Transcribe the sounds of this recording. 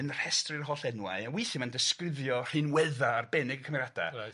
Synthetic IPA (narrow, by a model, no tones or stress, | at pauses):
ənr̥ɛstrɪrɦɔɬɛnwa̰ɨawɪjθɪmandəskrɪvjɔr̥ɨnwɛðaːrbɛnɪɡəkʰəmrada̰